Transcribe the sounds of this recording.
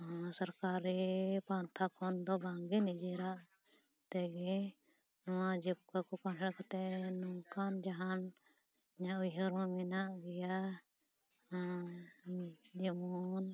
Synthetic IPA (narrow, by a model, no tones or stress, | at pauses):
səɾkaɾipant̪ʰakʰɔnd̪ɔbaŋɡɛnid͡ʒɛɾaʔ | t̪ɛɡɛ | nɔwad͡ʒɛp̚kakɔkanɾakat̪ɛnɔkand͡ʒaɦan | ɲaʔujɦəɾɔ̃minaʔɡɛja | d͡ʒɛmɔn